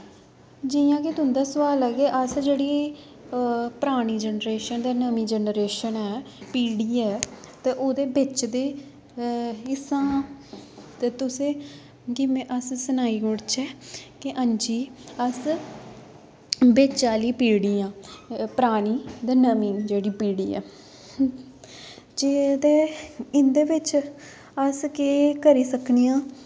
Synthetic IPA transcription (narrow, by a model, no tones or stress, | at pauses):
d͡ʒijãːkɪt̪ʊɦʊnd̪aːsʋaːlɛːɡeːʔəsd͡ʒeːɽiː | pɾaːɽ̃iːd͡ʒənɾeːʃənd̪aːnəmĩːd͡ʒənɾeːʃənɛː | piːɽiːɛːt̪eːʔoːd̪eːbɪt͡ʃd̪eː | ɪsãː | t̪et̪ʊsẽː | kɪmẽʔəssənaːiːɡʊɽt͡ʃɛːkɪʔə̃nd͡ʒiːəs | beːt͡ʃaːliːpiːɽiːãːpəɾaːɽ̃iːd̪eːnəmiːnd͡ʒeːɽiːpiːɽiːɛ̰ː | d͡ʒeːd̪eːɪnd̪eːʋɪt͡ʃ | əskeːkəɾiːsəknijãː